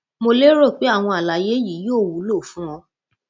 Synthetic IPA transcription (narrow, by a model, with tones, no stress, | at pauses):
mo˧le˦ɾo˦˨k͡pe˨˦a˦˨w̃ɔ̃˧a˨la˨je˨˦ji˨˦joː˦˨wu˨˦lo˦˨fũ˨˦ɔ̃˧˦